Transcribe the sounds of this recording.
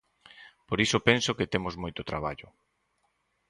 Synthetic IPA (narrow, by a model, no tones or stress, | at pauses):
poɾisʊpensoket̪emʊzmojt̪ot̪ɾaβ̞a̰ʎʊ